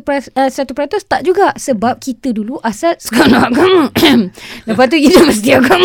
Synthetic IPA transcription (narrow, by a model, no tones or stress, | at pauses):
pɾaəsəat̪upəɾat̪ɔst̪aʔd͡ʒuɡaʔsəbap̚kit̪əduluʔasat̪̚skonakɔm | ləpat̪̬ujid̪aməs̬t̪iaɡɔm